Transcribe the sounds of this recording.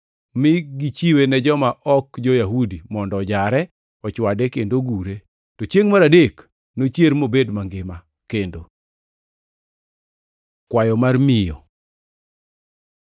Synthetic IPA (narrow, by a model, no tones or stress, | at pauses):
mɪɡit͡ʃiwenɛd͡ʒɔmaʔɔkd͡ʒojaɦudimɔndɔd͡ʒaɾɛ | ɔt͡ʃwadɛkendoɡuɾe | tɔt͡ʃjeŋmaɾadek | not͡ʃjeɾmobedmaŋɡɪma | kendo | kwajɔmarmɪjɔ̰